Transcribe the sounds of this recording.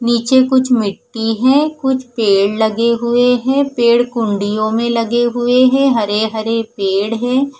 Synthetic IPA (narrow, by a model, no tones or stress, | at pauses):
niːt͡ʃekʊt͡ʃʰmɪʈːiɦɛ̃ːkʊt͡ʃʰpeːɽlɐɡeɦʊeɦɛ̃ːpeːɽkʊ̃ɳɖijõmẽlɐɡeɦʊeɦɛ̃ɦɐɾeɦɐɾepeːɽɦɛ̃ː